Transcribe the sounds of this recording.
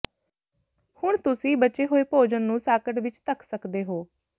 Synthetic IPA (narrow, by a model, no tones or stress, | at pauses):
hʊɳ̃t̪ʊsĩːbətːt͡ʃeːɦoːeːpoːd͡ʒənːũːsaːkəʈʋɪt͡ʃt̪əkʰsəkd̪eːɦoː